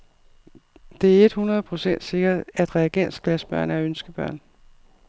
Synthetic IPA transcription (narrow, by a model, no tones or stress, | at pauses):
d̥e̝æɐe̝d̥hunʁɐð̞̩ˠpʰʁo̝sen̰d̥se̝ɡ̥ɐæd̥ʁɛːɡ̥en̰sɡ̥læsb̥ɶɐ̰næɐønsɡ̥əb̥ɶɐ̰n